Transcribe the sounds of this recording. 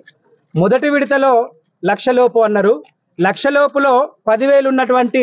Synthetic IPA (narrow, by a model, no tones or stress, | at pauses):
mɔd̪ɐʈiʋiɽit̪ɐlo̞ː | lɐkʂɐloːpuɐnːɐɾu | lɐkʂɐloːpulo̞ːpɐd̪iʋe̞ːlunːɐʈuʋɐɳʈi